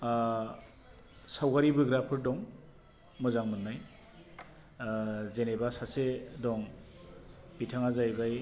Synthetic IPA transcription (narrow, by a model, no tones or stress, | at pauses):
sawɡaɾibɯɡɾapʰɯɾdɔŋ | mɯzaŋmɯnːaj | zenebasasedɔŋ | bitʰaŋazajbaj